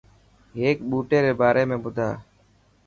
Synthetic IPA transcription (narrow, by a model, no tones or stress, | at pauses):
eːkɓuːʈeːɾeːbaːɾeːmẽːbʊd̪ʱaː